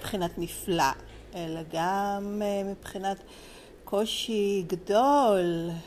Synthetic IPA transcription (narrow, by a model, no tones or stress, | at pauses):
pχinatmifla̰ | ʔelaɡammipχinat | kʰo̞ʃiɡadol